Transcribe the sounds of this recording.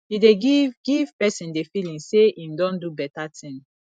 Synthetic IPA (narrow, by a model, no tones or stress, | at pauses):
ideɡiɡiv̥pɛsĩndefilĩŋseĩmdɔ̃ndubɛtatʰĩŋ